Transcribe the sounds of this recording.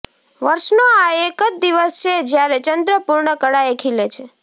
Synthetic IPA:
ʋəɾʃnoaekəd͡ʒ̚d̪iʋəst͡ʃʰed͡ʒjaɾet͡ʃənd̪ɾəpuɾɳəkəɽaekʰilet͡ʃʰe

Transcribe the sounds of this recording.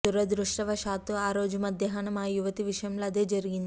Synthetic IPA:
t̪uɾɐd̪ɾuʂʈɐʋɐʃaːt̪oːaːɾo̞ːd͡ʒumɐd̪jɐɦaːnɐmaːjuʋɐt̪iʋiʂɐjɐmloːɐd̪e̞ːd͡ʒɐɾiɡind̪ii

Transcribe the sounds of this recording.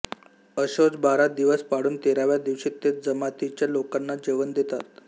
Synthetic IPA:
əɕot͡sbaɾad̪iʋəspaɽuːnt̪eɾaʋjad̪iʋɕiːt̪ːet͡s̪̚d͡zəmat̪it͡ɕjalokanːad͡ʑeʋənd̪et̪at̪̚

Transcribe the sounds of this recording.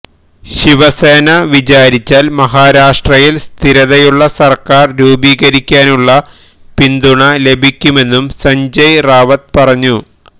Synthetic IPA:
ɕiʋɐseːnɐʋit͡ɕaːɾit͡ɕːaːlmɐɦaːɾaːʂʈrɐjilst̪ʰiɾɐðɐjuɭːɐsɐrkaːrɾuːbiːɣɐɾikʲːaːnuɭːɐ | pind̪uɳɐle̞bʱikʲːume̞nːumsɐɲd͡ʑɐjraːʋɐt̪̚pɐrɐɲːu

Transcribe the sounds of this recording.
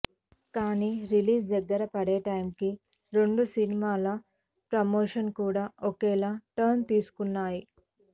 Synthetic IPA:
kaːniːɾiliːsɛɡɐɾɐpɐɽeːʈɐjmki | ɾe̞ɳɖusinimaːlɐ | pɾɐmoːʃɐnkuːɽaːʔokɛːlaːʈɐɾnt̪iːsu̥kunːaːji

